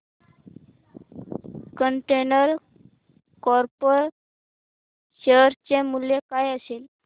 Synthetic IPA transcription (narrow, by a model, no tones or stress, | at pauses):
kəɳʈenəɾ | kɔɾpəɾ | ɕeɾt͡ɕemuljekajəsel